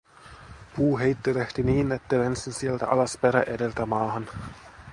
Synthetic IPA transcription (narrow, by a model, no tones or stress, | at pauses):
puːɦejt̪ːeleht̪iniːnet̪ːelensinsielt̪æ̰ʔɑlɑspeɾæʔedelt̪æmɑːhɑn